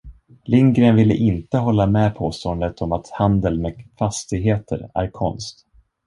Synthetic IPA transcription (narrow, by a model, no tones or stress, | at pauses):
lɪŋɡɾənvɪlːə̰ʔɪnt̪əɦɔlːamɛpʰoːst̪ɔənd̪ət̪ʰɔmat̪hand̪əlmɛfast̪ɪɡɦeːt̪ʰə̰ɾæ̰ɾkʰɔ̰nst̪